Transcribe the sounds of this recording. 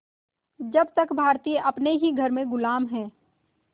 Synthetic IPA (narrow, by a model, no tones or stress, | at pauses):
d͡ʒɐbt̪əkbʱaːɾt̪iːeʔɐpneɦiɡʱɐɾmẽɡʊlaːmɦɛ̃ː